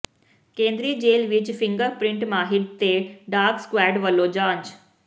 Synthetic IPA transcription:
keːnd̪ɾiːd͡ʒeːlʋit͡ʃpʰiŋɡəɾpɾiɳʈmaːɦiɽt̪eːɖaːɾɡskʋaːɖʋɐlːoːd͡ʒaːɲt͡ʃ

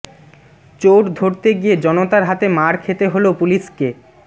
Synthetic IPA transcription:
t͡ɕoʈd̪ʱoɾt̪eɡijed͡ʑɔnot̪aɾɦat̪emaɾkʰet̪eɦolopuliʃke

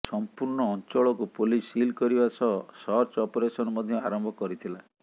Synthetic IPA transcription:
sɔmpuɾɳɔːnt͡ʃɔɭɔkupulisilkɔɾibasɔɦsɔɾt͡ʃɔpɔɾesɔnɔmɔd̪ʱjɔaɾɔmbʱɔkɔɾit̪ʰila

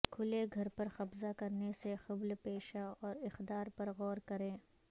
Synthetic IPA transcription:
kʰʊleɡʱɐɾpɐɾxɐbzakɐɾnesexɐblpeːʃaɔːɾɪxd̪aːɾpɐɾɣɔːɾkɐɾẽː

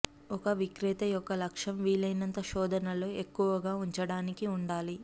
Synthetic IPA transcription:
ɔkɐʋikɾit̪ɐjɔkːɐlɐkʂɐmʋiːlɐjnɐnt̪ɐʃɔːd̪ʱɐnɐloːekːuʋɐɡaːuɲt͡ʃɐɽaːnikiuɳɖaːli

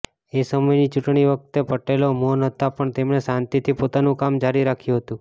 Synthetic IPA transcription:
esəməjnit͡ʃuʈɳiʋək̚t̪epəʈelomonɦət̪apəɳt̪emɳesãnt̪it̪ʰipot̪anũkamd͡ʒaɾiɾːakʰjũɦət̪ũ

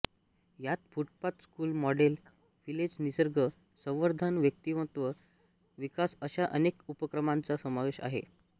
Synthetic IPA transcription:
jat̪̚fuʈ̚pat̪skuːlmɔɖel | filed͡znisəɾɡʱə | sə̃w̃ʋəɾd̪ʱanʋjək̚t̪iʋə̃t̪ʋə | ʋikasəɕaʔənekupəkɾəmant͡sasəmaʋeɕa̰ɦḛ

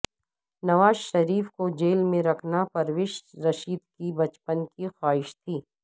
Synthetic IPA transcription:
nɐʋaːzʃɐɾiːfkod͡ʒeːlmẽɾɐkʰnapɐɾʋɪʃɾɐʃiːd̪kibɐt͡ʃpənkixaːɦɪʃt̪ʰiː

